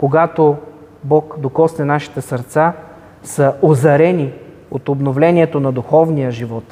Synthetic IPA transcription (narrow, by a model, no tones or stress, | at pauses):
koɡat̪o | bɔkd̪okɔsnɛnaʃi̥t̪ɛsəɾt̪sa | sɐozɐɾɛni | ot̪obnovlɛniɛt̪onɐd̪uxɔvnijəʒivɔt̪